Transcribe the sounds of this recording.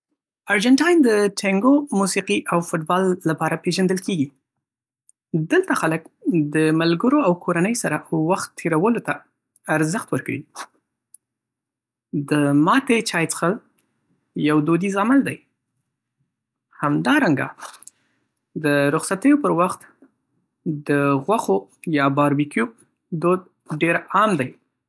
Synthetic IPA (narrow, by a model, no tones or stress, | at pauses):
aɾd͡ʒaɳʈɑjnd̪əʈʰaŋɡomusiqiʔawfʊʈbɑlːapɑɾapeʒand̪əlkeɡi | d̪əlt̪axalək̚d̪əmalɡəɾoawkʰoɾanəjsaɾawaxt̪ʰːeɾawəlot̪aː | ɾzəxt̪wəɾkaɽḭ | d̪əmɑt̪et͡ʃɑjt͡sə̥xal | jawd̪od̪izaməld̪aj | hamd̪ɑɾaŋɡa̰ | d̪əɾʊxsat̪əjopəɾwaxt̪ | d̪əɣwaxojɑbɑɾbikju | d̪od̪̚ | ɖeɾɑmd̪aj